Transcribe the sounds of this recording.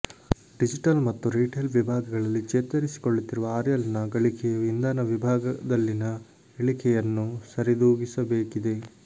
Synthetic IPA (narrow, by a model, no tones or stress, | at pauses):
ɖid͡ʒiʈɐlmɐt̪ːuɾiːʈelʋibʱaːɡɐɡɐɭɐlːit͡ʃeːt̪ɐɾisi̥koɭːut̪ːiɾuʋɐaːɾjɐlnɐɡɐɭikʰɛjɐʋind̪aːnɐʋibʱaːɡɐd̪ɐlːinɐ | eɭikʰɛjɐnːusɐɾid̪uːɡisɐbeːkid̪e̞